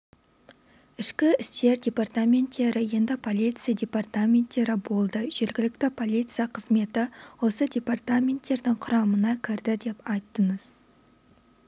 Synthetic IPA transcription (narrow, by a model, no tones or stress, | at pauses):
ɪʃkʲɪɪst̪e̞ɾdʲe̞part̪amʲe̞nt̪ːe̞ɾɪje̞nd̪ɪpʰo̞lˠijt̪sijadʲe̞part̪amʲe̞nt̪ːe̞ɾɪbo̞lˠd̪əʒ̥e̞ɾɡʲɪlɪkt̪ɪpʰo̞lˠijt̪sɨjaqʰəzme̞t̪ɪwo̞səd̪ʲe̞part̪amʲe̞nt̪ːe̞ɾd̪ɪŋqʰʊɾɑmənɑkʲʰɪɾd̪ɪd̪e̞pɑjt̪ːəɴəz̥